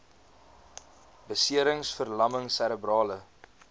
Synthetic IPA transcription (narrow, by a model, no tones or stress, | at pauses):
bəsiəɾəŋsfərlɐməŋsæɾəbrɑːlə